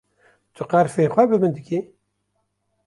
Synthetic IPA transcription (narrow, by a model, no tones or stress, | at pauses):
t̪ʰɨqɑɾfeːxʷɛbɨbɨnd̪ɨkʰʲi